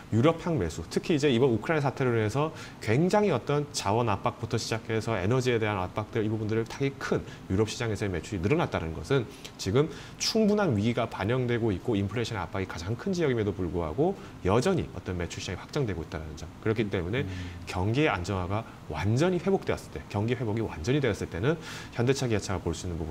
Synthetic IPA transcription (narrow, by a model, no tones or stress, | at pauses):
juɾʌpʰjaŋme̞sʰutʰɯkʰiːd͡ʑe̞ibʌnukʰɯɾajnasʰatʰe̞ɾɯɭwiɦe̞sʰʌ | kwe̞ŋd͡ʑaŋiʌt͈ʌnt͡ɕawʌnap͈ak̚p͈utʰʌɕʰid͡ʑakʰe̞sʰʌenʌd͡ʑie̞de̞ɦanap͈ak̚t͈ɯɾibubundɯɾɯɭtaɡikʰɯnjuɾʌp̚ɕ͈ʰid͡ʑaŋe̞sʰʌeme̞t͡ɕʰuɾinɯɾʌnat̚t͈aɾa̰nɯnɡʌsʰɯnt͡ɕiɡɯm | t͡ɕʰuŋbunɦanɥiɡiɡapaɲʌŋdwe̞ɡoit̚k͈oimpʰɯɭeɕʰʌna̰p͈aɡikad͡ʑaŋkʰɯnd͡ʑijʌɡimjʌdopuɭɡoɦa̰ɡo | jʌd͡ʑʌɲḭʌ̰t͈ʌnme̞t͡ɕʰuɕʰid͡ʑaŋiɸḁk̚t͡ɕ͈aŋdwe̞ɡoit̚t͈aɾanɯnd͡ʑakɯɾʌkʰit͈e̞mune̞kjʌŋɡiea̰nd͡ʑʌŋɦaɡa | wa̰nd͡ʑʌɲiɸe̞bok̚t͈e̞ʌs͈ɯ̥ɭt͈e̞kjʌŋɡiɸwe̞boɡiwa̰nd͡ʑʌɲideʌs͈ɯɭt͈e̞nɯnçjʌnde̞t͡ɕʰaɡiat͡ɕʰaɡapoɭs͈uinːɯnpubu